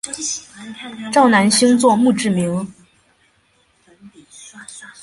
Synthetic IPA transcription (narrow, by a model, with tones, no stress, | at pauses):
ʈ͡ʂɑ˥˩ʊna˧˥nɕi˥ŋt͡swɔ˥˧mu˥˧ʈ͡ʂɻ̩˥˩mi˧˥ŋ